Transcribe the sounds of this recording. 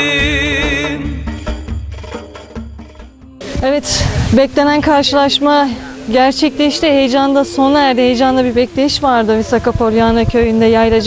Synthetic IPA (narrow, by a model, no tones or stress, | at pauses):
evɛt̪bɛclʲe̞nænkʰaɾʃɯlˠaʃmaɟæɾt͡ʃʰɛclʲeiʃt̪ɛhejd͡ʒand̪aso̞næɾd̪ɛɦejd͡ʒand̪abiɾbɛclʲe̞jiʃvaɾd̪ɯvɛsakapʰo̞ɾjanɯcʰø̞jynd̪ɛjajlˠad͡ʒ